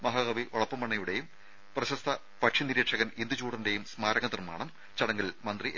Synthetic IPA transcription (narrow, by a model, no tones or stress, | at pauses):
mɐɦɐɣɐʋiʔoɭɐpːɐmːɐɳːɐjuɽe̞jum | prɐɕɐst̪ʰɐ | pɐʈʂiniɾeːʈʂɐɣɐmind̪ut͡ɕuːɽɐnde̞jumsmaːɾɐŋɐnirma̰ːɳɐm | t͡ɕɐɽɐŋːɐlmɐnd̪riʔ